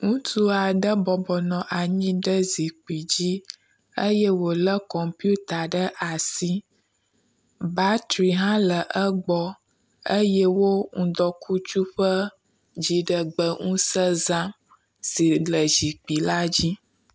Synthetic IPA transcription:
ŋũ˦t̪u˦a˨ɖə˦bɔ˨bɔ˨nɔ̃˨ʔa˨ɲĩ˦ɖə˦zi˨k͡pi˨d͡ʑi˦ | ə˦jɛ˦wo˨lə˦kɔ˨mpju˦t̪a˨ɖə˦ʔa˨si˦ | ba˦t̪ɾi˨ɦã˦lə˨ʔə˦ɡ͡bɔ˦ | ə˦jɛ˦wo˦ŋũ˦d̪ɔ˦kʰu˦t͡ʃu˦ɸə˦ | d͡ʑi˨ɖə˨ɡ͡bə˦ŋũ˦sə˦zã˦m | si˨lə˨zi˨k͡pi˨la˦d͡ʑi˦

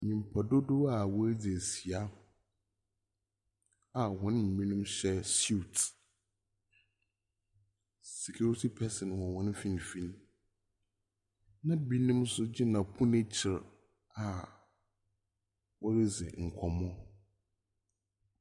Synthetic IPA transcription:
mĩ˨m̩˨pʰa˨dʊ˦dʊ˦a˨wɔ˦ɾɪ˦d͡zɪ˨æ˨si˨a˦ | a˨hɔ̃˨˦n˦ɲĩ˨mĩ˦nũ˦mɕɛ˦su˦˨t | sɛ˨kʰu˦ɾi˦tʰi˦pʰɛ˦sɛ̃˨nwɔ̃˨wɔ̃˦n˦fĩ˦n˨fĩ˦n | nã˦bi˦nũ˦msʊ˦d͡ʑi˦nã˨pʰu˦ne˦t͡ɕʰɪ˨ɾ | a˨ | wɔ˦ɾɪ˦d͡zɪ̰˨ŋ̩˨kʷʰɔ˨mɔ̃˦

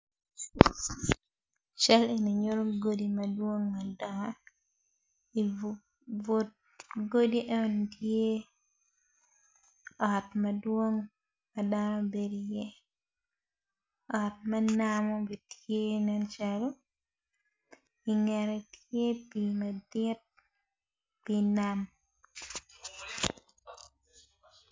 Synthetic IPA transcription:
t͡ʃa˦le˨ni˨ɲo˦ɾo˦ɡo˦di˨ma˨dwo˦ŋma˨dɔ˨ŋa | i˨ | vo˨t̚ | ɡo˦di˦ʔɛ˦˨ntje˦ | ɔ˨tma˨dwo˦ŋ | ma˨da˦nɔ˦be˦dijɛ˦ | ɔ˨t̚ma˦namɔ˦bi˨tʰje˦nɛ˦nt͡ʃa˨lɔ˦ | i˨ŋɛ˨ɾɛ˨tje˦pi˨ma˨dɪ˦t̚ | pi˨nam

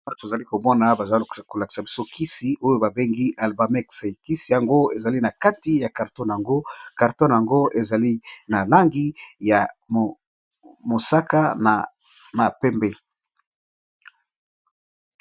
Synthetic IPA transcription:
to˨za˨li˦ko˨mɔ˦na˨ba˨za˨ko˨la˨ki̥˨sa˨bi˦so˦kʰi˦si˨ʔo˦jo˦ba˨be˦ŋɡi˦ʔa˨lba˨mɛ˦kse˨ki˦si˨ja˨ŋɡo˦e˨za˨li˦na˨ka˦ti˦ja˨ka˨ʁtɔ˦n˨a˨ŋɡo˦ka˨ʁtɔ˦n˨ja˨ŋɡo˦ʔe˨za˨li˦na˨la˦ŋɡi˦ja˨ | mo˨sa˦ka˦na˨ | ma˨pɛ˦mbɛ˦

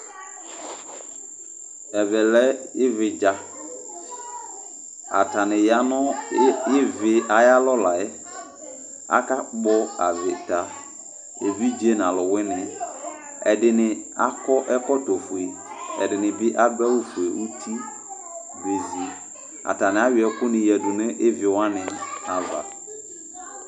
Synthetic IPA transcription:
ɛ˨vɛ˨lɛ˦ɪ˦vɪ˨d͡ʒa˦ | a̰˨ta˨nɪ˨ja˦nɔ˦jɪ˦vɪ˨a˨ja˦lɔ˦la˨ɛ˦ | a̰˦ka˦bɔ˦a˨vɪ˨ta˨ | e˨vi˦d͡ʒe˦n˨a˨lʊ˨wɪ˦nɪ˨ | ɛ˨dɪ˨nɪ˨a˦kɔ˦ʔɛ˦kɔ˦to˨fu˨e˨ɛ̰˨dɪ˨nɪ̃˨bɪ˦ʔa˦ɡ͡bɛ˦wʊ˦fu˨e˨ʔu˦tʰi˦ | ve˨zi˨ | a̰˨ta˨nɪ̃˨a˦ɥɪ˨ɛ˨kʊ˦nɪ̃˨jɛ˨dʊ˨nɪ˦ʔɪ˦vɪ˨wa˦nɪ̃˨a˨va̰˨

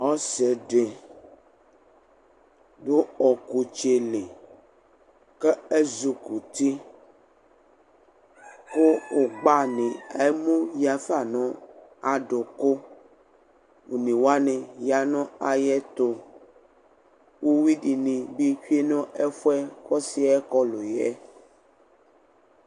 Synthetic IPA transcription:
ɔ˦sɛ˨ɖe˨ | do˦ɔ˨ku˨t͡ʃe˨le˨ | kɛ˦e˦zu˨ku˨t̪i˦ | ko˦o˨ɡ͡ba˦nĩ˨a˨e˦mũ˦ja˨fa˨nɔ̃˦a˨ɖo˨ko˦ | wu˨nĩ˨wo˦a˦nɛ̃˨ja˨nɔ̃˦a˨jɛ˦t̪o˦ | wo˦wi˦ɖi˨nĩ˨bi˦ɸi˦e˦nɔ̃˦ɛ˦ɸɛ˦xɔ˦si˦a˦ɛ˦kɔ˦lo˨jɛ˦

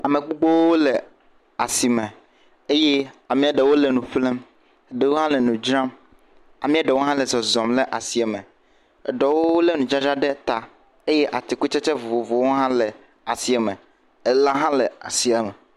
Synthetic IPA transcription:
a˨me˨k͡po˦ɡ͡bo˦wwo˦le˨ | a˨si˨mɛ̃˨ | e˦je˦a˨mĩ˦a˨ɖɛ˨wo˦le˨nũ˨ɸle˦m˨ | ɖe˨wo˦ɦã˦lɛ˨nũ˨d͡ʒɾã˦m | a̰˨mĩ˦a˦ɖɛ˨wo˦ɦã˦lɛ˨zɔ˨zɔ̃˨mlɛ˨ʔa˨si˨a˨mɛ̃˨ | ɛ˨ɖɔ˨wo˦wo˦le˦nũ˨d͡ʒa˦d͡ʒa˦ɖɛ˦t̪a˨ | e˦je˦ʔa˨t̪i˨ku˦t͡ʃɛ˦t͡ʃɛ˦vo˨vo˨vo˨wo˦ɦã˦lɛ˨ | a˨si˨a˨mɛ̃˨ | e˨la˦ɦã˦lɛ˨a̰˨si˨a˨mɛ˨

